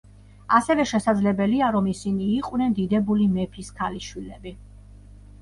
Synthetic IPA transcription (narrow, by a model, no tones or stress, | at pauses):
asɛvɛʃɛsad̪zlɛbɛliaɾɔmisiniːqʼwnɛnd̪id̪ɛbulimɛpʰiskʰaliʃwilɛbi